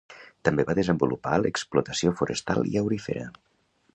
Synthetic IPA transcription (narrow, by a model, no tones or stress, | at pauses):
t̪əmbeβaðəzəmbulupa̰ləksplut̪əsiofuɾəst̪a̰lˠḭəwɾifḛɾə̰